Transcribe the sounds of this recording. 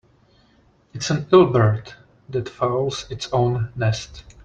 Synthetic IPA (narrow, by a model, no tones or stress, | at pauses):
ɨtsə̃nɪlˠbə˞t̪ | ðætfaʊlˠz̥ɪtsõʊ̃nːɛst